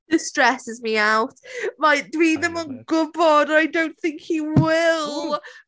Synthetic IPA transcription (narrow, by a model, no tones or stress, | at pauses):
d̥ɪstɹ̥ɛsɪzmiawtmaɪd̥wiðə̃mə̃nɡʊbɔdaɪdõʊ̃nθɪ̃ŋkhiwɪlˠ